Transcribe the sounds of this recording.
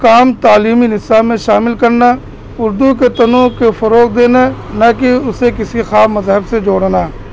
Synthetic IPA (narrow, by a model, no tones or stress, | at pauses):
kaːmt̪aːliːminɪsamẽʃaːmɪlkɐɾna | ʊɾd̪uket̪ɐnõkefɐɾoːk̚d̪eːnanɐkiʊsekɪsixaːbmɐzɦəbsed͡ʒoːɽnaː